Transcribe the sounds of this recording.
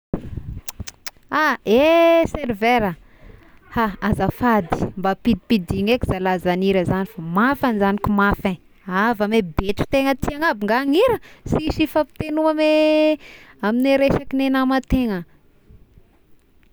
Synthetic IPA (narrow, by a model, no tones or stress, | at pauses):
aeseɾveɾə | haazafad̪i̥mbapid̪ipid̪iŋekizalazaniɾəzanifamafanizanikumafẽ | avəmebeʈ͡ʂu̥t̪eŋət̪iaŋabiŋɡaŋiɾəsiʃifapi̥t̪enuame | amineɾeʃakinenamat̪eŋə